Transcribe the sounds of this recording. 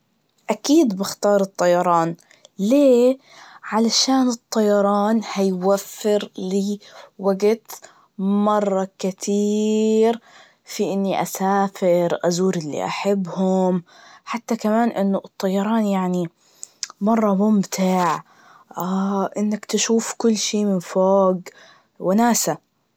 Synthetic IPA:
ʔakiːd̪bɪxt̪ɑːɾˤɨt̪ˤːɑjɑɾˤɑːn | leː | ʕalaʃaːnɨt̪ˤːɑjɑɾˤɑːnhajwafːɪɾliːwaɡt̪ | mɑrˤːɑkɪt̪ʰiːɾ | fiʔɪnːiʔasaːfɪɾʔazuːɾɪlːḭʔa̰ħabːhʊmħat̪ːakamaːnʔɪnːʊɨt̪ˤːɑjɑɾˤɑːnjaʕni | mɑrˤːɑmʊmt̪ʰɪʕ | ʔaʔɪnːakt̪ɪʃuːfkʊlːʃiːmɪnfoːɡ | wɪnaːsa

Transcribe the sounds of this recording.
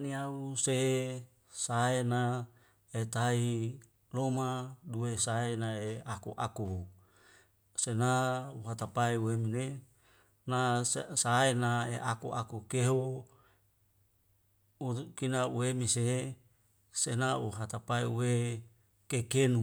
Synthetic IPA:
niause | saena | et̪ai | lomaduesaenaeakṵʔa̰ku | senauɦat̪apaeuemine | nasaenaeʔakuʔakukeɦo | ukinauemise | senauɦat̪apaeuwe | kekenu

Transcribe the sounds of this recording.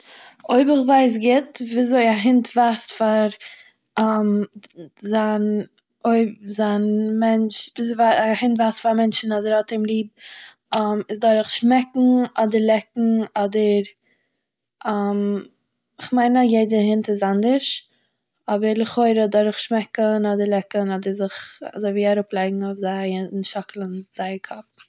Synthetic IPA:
oɪbɪχvaɪs̬ɡɪtviːzoɪaɦɪntvastfaɾ | am | zan | oɪbzanmɛnt͡ʃviːzvaahɪntvaːstfaɾmɛnt͡ʃn̩ɔdəɾɔtɪmlˠiːb̚ | amɪsdɔɾɪχʃmɛkŋ̩ɔdəɾlˠɛkŋ̩ɔdəɾ | am | ɪχmaɪnajeɪdəhɪntɪzandəʃ | ɔbəɾlɪχoɪɾədɔɾɪχʃmɛkənɔdəɾlɛkənɔdəɾzɪχa̰zoɪviːaɾʊplˠaɪɡŋ̩ofzanʃɔkl̩ˠənz̥aɪkʰɔp̚

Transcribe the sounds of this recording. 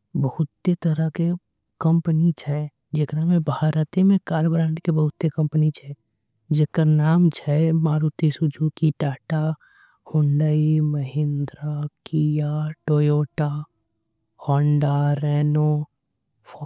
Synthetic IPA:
bəhʊt̪ːet̪əɾake | kə̃mpənit͡ʃʰɛ | d͡ʒekɾamẽbʱaːɾət̪emẽkaːɾbɾãːɳʈkebəɦʊt̪ːekə̃mpənit͡ʃʰɛː | d͡ʒekəɾnaːmt͡ʃʰɛmaːɾut̪isud͡ʒʱukiʈaːʈa | hʊɳɖəiməɦɪ̃nd̪ɾakijaʈoːjoːʈa | hɔːɳɖaɾɛːno | f

